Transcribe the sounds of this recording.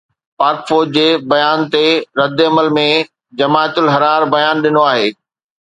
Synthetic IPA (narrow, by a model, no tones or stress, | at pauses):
paːɾkfoːd͡ʑd͡ʑeːbɐjaːnt̪eɾɐd̪ɐməlmẽ | d͡ʑɐmaːt̪ʊlɦɐɾaːɾbɐjaːnɗɪnoaːɦeː